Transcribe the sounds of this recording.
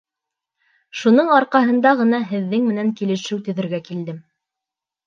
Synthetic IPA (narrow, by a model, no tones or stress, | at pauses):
ʃunɤɴɑɾqɑɦɤ̆nd̪ɑʁɤ̆nɑɦɘ̆ðːɘŋmɘ̆næŋkilɘ̆ʃɘwt̪ɵ̆ðɘ̆ɾɡækild̪ɘm